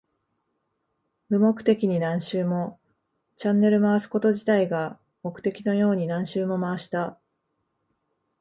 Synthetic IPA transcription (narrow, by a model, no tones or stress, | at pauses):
mɯ̟mo̞kɯ̟̥t̪e̞kʲiɲ̟inãɰ̃ɕɨːmo̞ | t͡ɕãnːe̞ɾɯ̟maasɨ̥ko̞t̪o̞ʑit̪aiɡa | mo̞kɯ̟̥t̪e̞kʲino̞jo̞ːɲ̟inãɰ̃ɕɨːmo̞maaɕi̥t̪a